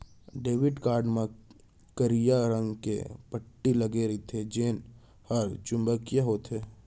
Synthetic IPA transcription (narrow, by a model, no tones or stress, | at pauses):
ɖeːʋɪɖkaːɾɖmẽ | kəɾijaɾə̃ŋɡkḛpəʈːiləɡeɾit̪ʰed͡ʒeːn | həɾt͡ʃʊ̃mbəkjaɦoːt̪ɦeː